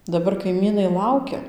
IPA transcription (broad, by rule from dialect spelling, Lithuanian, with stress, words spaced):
dɐˈbɐr kɐɪˈmʲiːnɐɪ ˈlˠɐʊkʲɛ